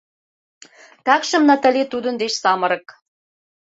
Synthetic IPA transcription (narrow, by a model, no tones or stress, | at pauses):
t̪ækʃə̆mnɑt̪ə̆let̪ud̪ə̆nd̪eʃsɑmɤ̆ɾɤ̆k